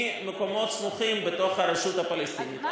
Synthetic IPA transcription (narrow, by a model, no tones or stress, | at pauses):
meko̞mo̞t̪smuχimbet̪o̞χhaɾeʃut̪apalest̪init̪